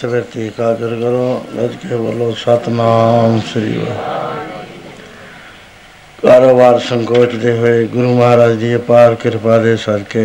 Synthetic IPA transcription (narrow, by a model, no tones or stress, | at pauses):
səbeɾt̪ikaːɡəɾɡəɾoːdɐ̰d͡ʒkebə̰loːsat̪naːmsɪɾḭjo̰ | kaːɾoːbaːɾsəŋkoːʈd̪eɦoeɡʊɾuːmɐɦaːɾaːd͡ʒd̪ijepaːɾkɪɾpaːɾesad͡ʒke